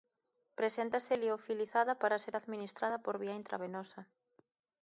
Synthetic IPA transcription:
pɾesent̪aseliofiliθaðapaɾaseɾaðminist̪ɾað̞apoɾβiaint̪ɾa̰βenosa

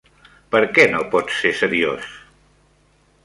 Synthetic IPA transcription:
pəɾkɛnopɔtsesəɾios

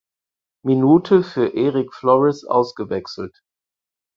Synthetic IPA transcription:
minuːtʰəfyːɐʔeːʁɪkflɔʁɛsʔa̰ʊsɡ̥əvɛksl̩t

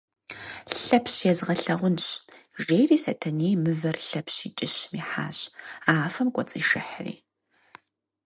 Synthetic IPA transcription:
ɬɐpʰɕjɛzʁɐɬɐʁʷʊnɕʒeːjriːsɐtʰɐniːmɨvɐrɬɐpʰɕiːt͡ʃʼɪɕmiːħa̰ːɕaːfɐmkʷʼɔt͡sʼiːʃɪ̰ħrḭː

